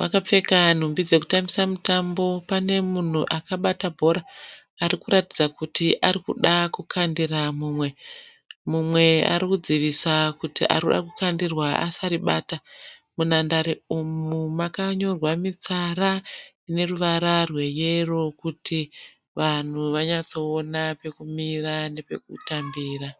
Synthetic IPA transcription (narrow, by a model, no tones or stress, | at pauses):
akap͡fe̞kan̤umbid͡ze̞ku̥tambisamutambo̞pane̞mun̤uʔakaɓatabʱo̞ɾaː | rikuɾatid͡zakutiʔaɾikuɗakukʰandiramuːmwe̞ | mumwe̞a̰ɾikud͡ziʋisakutḭʔa̰rikuɗa̰kukandirwaa̰saɾiɓaːta | munandaɾiumumakaɲo̞rwamit͡saɾa | ine̞ruʋaɾarwe̞je̞ro̞kutʰi | ʋan̤uʋaɲat͡so̞ːnape̞kumirane̞pe̞̰k̚utambiːra